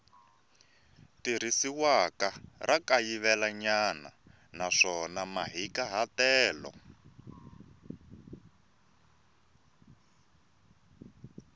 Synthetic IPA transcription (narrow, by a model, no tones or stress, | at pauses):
tiɾ̤isiwakarʔakajiβɛlaɲana̰ | naʂɔnamaɦikaɦatɛːlɔ̰